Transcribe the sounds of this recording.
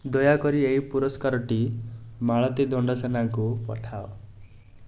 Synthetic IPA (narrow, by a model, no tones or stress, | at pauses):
d̪ɔjakɔɾieɦipuɾɔskaɾɔʈimaɭɔt̪id̪ɔɳɖɔsenaŋkupɔ̰ʈʰao